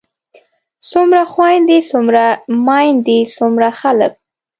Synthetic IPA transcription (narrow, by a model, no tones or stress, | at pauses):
sumɾaxwɑjnd̪isumɾamɑjnd̪isumɾaxalək̚